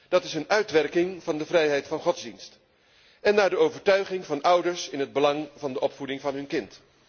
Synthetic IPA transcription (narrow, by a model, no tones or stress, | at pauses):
d̥ɑtɪsənœɥtʋɛɹkɪŋv̥ɑndəvrɛjɦɛjtfɑnχɔdzdinst | ɛnːaːɹdəowvəɹtœɥχɪŋvɑnʔʌwdəɹsɪnɦəd̚bəlɑŋvɑndəʔɔpfudɪŋvɑnɦɵnkɪnt